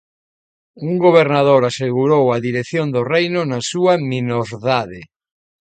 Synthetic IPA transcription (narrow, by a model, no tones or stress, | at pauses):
uŋɡoβ̞eɾnaðoɾaseɣuɾowaðiɾeθjond̪orejnʊnasuɐminoɾðaðɪ